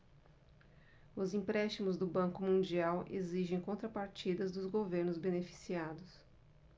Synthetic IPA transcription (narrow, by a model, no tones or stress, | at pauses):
ʊzĩpɾɛst͡ʃimʊzd̪ʊbɐ̃kʊmũnd͡ʒiawʔḛziʒẽj̃kõnt̪ɾɐpaɾt͡ʃid̪ɐzd̪ʊzɡoveɾnʊzbenefi̥siad̪ʊs